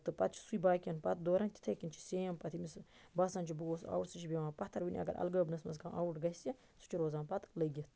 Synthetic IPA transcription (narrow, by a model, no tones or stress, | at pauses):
t̪ɨpɐt̪̚t͡ʃʰi̥suibaːkʲiɐnpɐt̪d̪oːɾɐnt̪i̥t̪ʰeːkint͡ʃʰi̥sejɐmpɐt̪ʰimis | baːsɐːnt͡ʃʰibɨɡoːsa̰ːwuʈsit͡ʃʰibewaːpɐht̪ʰɐɾʋinʲiɐ̰ɡɐ̰ɾɐ̰lɡəːbnɐsmɐzkaːnʔɐːwuʈɡɐse | su̥t͡ʃʰiɾoːzaːnpɐt̪ləɡʲit̪ʰ